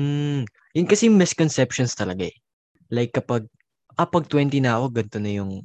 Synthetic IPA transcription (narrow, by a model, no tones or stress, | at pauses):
m̩ | jʊnkɐsɛjmɛskonsɛpʃonst̪ɐlɐɡaɛ | lajkːɐpɐɡ̚ | ʔɐpɐɡ̚t̪wɛnt̪inaʔoɡɡɐnt̪o̞nɐjʊŋ